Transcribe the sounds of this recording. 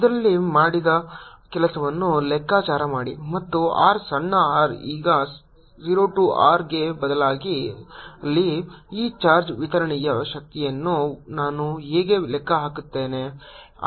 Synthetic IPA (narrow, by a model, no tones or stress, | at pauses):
id̪ɐɾɐlːimaːɽid̪ɐkɛlɐsɐʋɐnːulɛkːaːt͡ʃaːɾɐmaːɽḭmɐt̪ːua̰ːɾsɐɳːɐaːɾiːɡɐ | ziːɾoːʈuʔaːɾɡe̞bɐd̪ɐlaːɡiɐlːiiːt͡ʃaːɾd͡ʒʋit̪ɐɾɐɳɛjɐʃɐk̚t̪ijɐnːunaːnuɦeːɡelɛkːɐɦaːkut̪ːe̞ːne